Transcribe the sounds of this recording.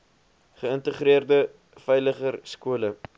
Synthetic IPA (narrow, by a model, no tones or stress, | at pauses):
χəəntəχriərdə | fɛjləχərskuələ